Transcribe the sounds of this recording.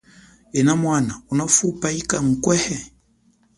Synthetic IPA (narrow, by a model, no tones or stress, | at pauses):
ɛnamwanaunafupaikaŋ̩kwɛhɛ